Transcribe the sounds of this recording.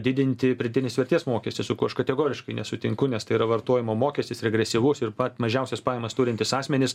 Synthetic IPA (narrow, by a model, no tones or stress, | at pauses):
d̪ʲɪd̪ʲɪnʲt̪ʲɪpʲɾʲɪd̪ʲɪnʲɪsʋʲɛɾʲt̪ʲiɛsmoːkʲɛsʲt̪ʲɪsʊkʊɐʃkɐt̪ʲɛɡoːɾʲɪʃkɐɪnʲɛsʊt̪ʲɪŋkʊnʲɛst̪ɐɪiːɾɐʋɐrt̪oːjɪmoːmoːkʲɛsʲt̪ʲɪsɾʲɛɡɾʲɛsʲiʋʊsɪɾpɐt̪mɐʒʲɛʊsʲɛspɑːjɛmɐst̪uːɾʲɪnʲt̪ʲɪsɑːsʲmʲɛnʲɪs